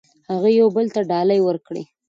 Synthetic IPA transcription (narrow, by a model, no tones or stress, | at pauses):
haɣajawbəlt̪aɖɑlajwəɾkɽḛ